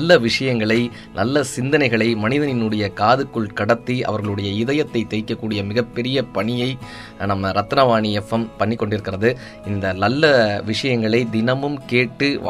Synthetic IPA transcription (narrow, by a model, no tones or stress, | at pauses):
lːɐʋɪʂɐjɐŋɡɐɭɐɪ | nʔɐlːɐsɪnd̪ɐnɐɪɣɐɭɐɪmɐnɪðɐnɪnɯɽɐjɐkaːðɯkːɯɭkɐɽɐt̪ːiʔɐ̰ʋɐɾɣɐɭɯɽɐjɐɪðɐjɐt̪ːɐɪt̪ːɛɪkːɐkːuːɽɪjɐmɪɣɐpːɛɾɪjɐpɐɳɪjɐɪ | nɐmːɐɾɐt̪ːɐnɐʋaːɳɪɛfːɐmpɐɳːɪkːɔɳɖɪɾɯkːɪrɐðɯ | ɪnd̪ɐnɐlːɐʋɪʂɐjɐŋɡɐɭɐɪd̪ɪnɐmɯmkeːʈːɯ̰